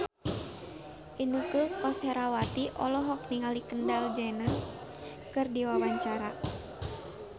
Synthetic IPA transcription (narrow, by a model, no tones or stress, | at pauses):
ʔinukupɔsɛɾawat̪iʔɔ̰lɔɦɔk̚niŋalikəndald͡ʒanan | kɨrdiwawaɲt͡ʃaɾa